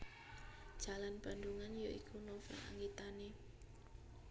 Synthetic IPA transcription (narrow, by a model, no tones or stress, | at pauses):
d̥ʒ̥a̤lanbanduŋanjoikʰunɔfɔ̰la̰ŋɡit̪ane